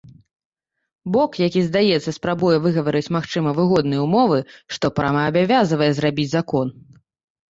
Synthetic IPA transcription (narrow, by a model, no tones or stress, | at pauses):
bɔkjakʲizd̪ajɛt̪sːɐspɾabujɛvɨɣɐvɐɾɨt͡sʲmaxt͡ʂɨmɐvɨɣɔd̪nɨjɛumɔvɨʂt̪ɔpɾamaːbʲavʲazɐvɐjɛzɾabʲid͡zʲzakɔn